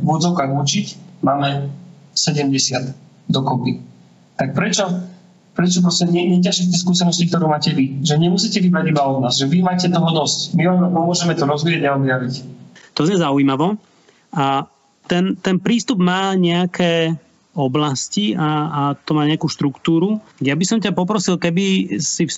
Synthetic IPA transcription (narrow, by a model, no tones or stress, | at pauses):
vʊɔd͡zɔʊkaːɣut͡ʃicmaːmɛsɛɟɛmɟɛsɪad̪ | d̪ɔkɔpi | t̪ak̚pɾɛt͡ʃɔ | pɾɛt͡ʃɔp̬ɾɔscɛmɲɪɛɲɛcaʃɛft̪ɛɪskuːsɛnɔscik̚t̪ɔɾuːmaːcɛʋiʒɛɲɛmusiːcɛʋibɾaɟibaɔd̪naːzʒɛʋimaːcɛt̪ɔɦɔd̪ɔscmiʋampɔmʊɔʒɛmɛt̪ɔɾɔzʋiaɟɛɔb̪jaʋict̪ɔzɲɛzaujmaʋɔ | a | t̪ɛnt̪ɛnpɾiːst̪ubmaːɲɛakʰɛː | ɔblasciaat̪ɔmaːɲɛakuːʃt̪ɾukt̪uːɾujabisɔmcapɔp̬ɾɔsilkɛbisi